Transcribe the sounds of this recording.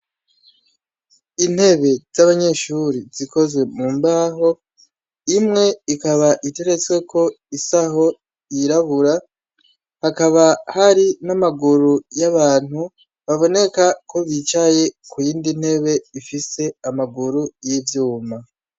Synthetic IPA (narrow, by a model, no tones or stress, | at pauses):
in̥he̞βe̞z̥aβaɲe̞ʃuɾiziko̞zwe̞muːmbaːɦo̞ | imŋe̞ikaβaʔite̞ɾe̞t͡swe̞kʰo̞ | isaɦo̞ | iɾaβuɾa | hakaβahaɾinamaɡuɾujaβaːn̥hu | βaβo̞ne̞kakʰo̞βit͡ʃaje̞kujiːndin̥he̞βe̞ifise̞amaɡuɾujivjuːma